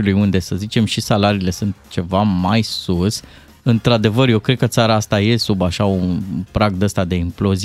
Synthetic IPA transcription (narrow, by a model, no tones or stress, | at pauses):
ulujund̪e̞səzit͡ʃe̞mʃisalaɾiːle̞sunt̪t͡ʃe̞vamajsus | ɨnt̪ɾad̪e̞vərje̞wkɾekət̪saɾaast̪aje̞subaʃaunpɾaɡ̚d̪əst̪ad̪e̞implo̞z